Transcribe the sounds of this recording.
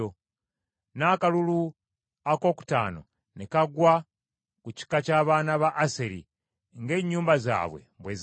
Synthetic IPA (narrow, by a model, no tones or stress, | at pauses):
o | naːkalulu | ako̞ːku̥ta̰ːno̰ | nekaɡwa | kuci̥kacaːβaːnaβaʔːseɾḭ | ŋɡe̞ːɲːuːmbaza̰ːβwḛmbwez